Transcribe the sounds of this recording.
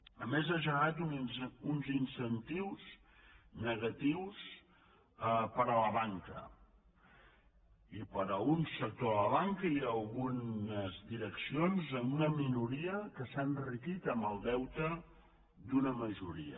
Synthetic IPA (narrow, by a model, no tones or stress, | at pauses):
əmezaʒəɣat̪ununzinsənt̪iwz | nəɣət̪iws | əpəɾələβaŋkə̰ | ipəɾəunsək̚t̪oðələβaŋkəiəlˠɣunəzd̪iɾəksionzəmunəminuɾiəkəsanrikit̪əmbəlˠd̪ɛwt̪ə | d̪unəməʒuɾiə̰